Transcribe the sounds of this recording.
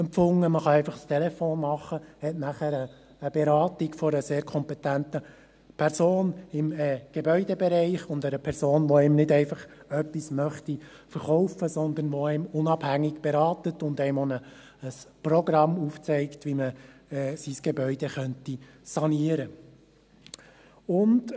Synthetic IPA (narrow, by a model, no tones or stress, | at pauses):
ɛmp͡fʊŋːəməχɑɛɪfɑχst̪ʰɛlɛfoːnmɑχːəhɛtnæχəɾəː | b̥ɛɾɑːt̪iɡfɔɾəseːɾkʰɔmpɛt̪ænt̪ə | pʰɛɾsoːnɪmɛɡ̥ebœʏdɛbɛɾɛɪχʊnd̪əɾəpʰɛɾsoːnʋɔɛɪmnɪdɛɪfɑχ | œpːismœχt̪i | fəɾχɔʊfəsɔnd̪ənʋɔɛɪmʊnɑb̥hæŋːɪɡb̥ɛɾɑːtətʊnd̪ɛɪmonəː | sprɔɡɾɑmuft͡sɛɪktʋiməːsisɡ̥ebœʏdɛχœntisɑniəɾə | ʊnd